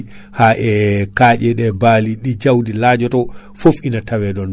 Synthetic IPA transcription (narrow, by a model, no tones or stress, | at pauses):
haʔɛkaːd͡ʒɛɗɛbaːliɗid͡ʒawdilaːd͡ʒɔtɔ | fofinatawɛɗɔn